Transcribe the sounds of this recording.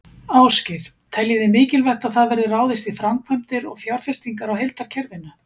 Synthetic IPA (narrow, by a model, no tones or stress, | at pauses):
aːwscɪɾ̥ | t̪ʰɛljɪðɪmɪːcɪlvɛht̪aðθaðvɛɾðɪraːwðɪst̪ifɾamkʰvœm̥t̪ɪɾɔ̰ɣfjawɾ̥fɛst̪iŋkaɾawɦɛlt̪aɾ̥cʰɛɾvɪnːa